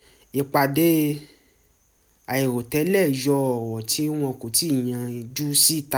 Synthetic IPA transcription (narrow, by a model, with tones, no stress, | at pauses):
e˨k͡pa˨de˦ | a˨e˨ɾo˨tɛ˨˦lɛ˦˨jɔ˧˨w̃ɔ̃˨ti˦w̃ɔ̃˧ko˨ti˦˨j̃ã˧d͡ʒu˦si˦˨ta˧˦